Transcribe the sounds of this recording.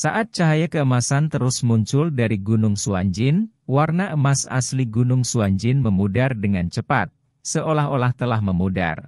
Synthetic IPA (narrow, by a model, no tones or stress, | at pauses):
saʔat̪̚t͡ʃaɦajakəəmasant̪əɾʊsmuɲt͡ʃʊldaɾiɡunʊŋsuaɲd͡ʒɪn | warnaəmasa̰sliɡunʊŋsuaɲd͡ʒɪnməmudardəŋant͡ʃəpa̰t̪̚ | səʔolaɦolaht̪əlahməmuda̰r